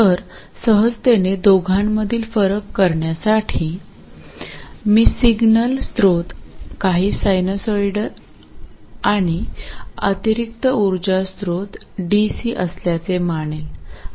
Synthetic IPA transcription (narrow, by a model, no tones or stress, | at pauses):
t̪əɾ | səɦəd͡zt̪ened̪oɡʱaɳməd̪ʱiːlfəɾəkːəɾɳjasaʈʰiː | miːsiɡnəlst̪ɾot̪kaɦiːsajnosojɖə | aɽ̃iə̰t̪iɾik̚t̪əuɾd͡ʑast̪ɾot̪ɖisiːʔəsljat͡semaɳ̃el